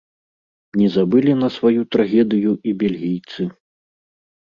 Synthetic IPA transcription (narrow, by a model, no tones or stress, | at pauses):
mnʲɛzabɨlʲinɐsvajut̪ɾaɣʲɛd̪ɨjuʔibʲelʲɣʲijt̪sɨ